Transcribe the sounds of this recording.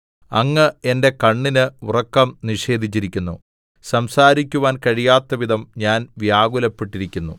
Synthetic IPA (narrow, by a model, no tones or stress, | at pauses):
ɐŋːɨe̞nde̞kɐɳːinɨurɐkːɐmniʂe̞ːd̪ʱit͡ɕːiɾikʲːunːu | sɐmsaːɾikʲːuʋaːnkɐɻijaːt̪ːɐʋid̪ʱɐmɲaːnʋjaːɡulɐpːiʈːiɾikʲːunːṵ